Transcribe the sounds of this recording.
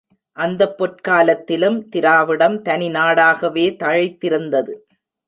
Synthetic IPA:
ʔɐnd̪ɐpːɔʈ̚kaːlɐt̪ːɪlɯmt̪ɪɾaːʋɪɽɐmt̪ɐnɪnaːɽaːɣɐʋeːt̪ɐɻɐɪt̪ːɪɾɯnd̪ɐðɯ

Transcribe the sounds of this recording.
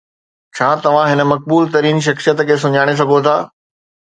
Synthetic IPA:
t͡ɕʰaːt̪ɐʋ̤ãɦɪnə̆mɐk̚buːlt̪ɐɾiːnʃ̬ɐxsijət̪kʰeːs̬ʊɲaːɽ̃es̬ɐɡʱot̪ʰaː

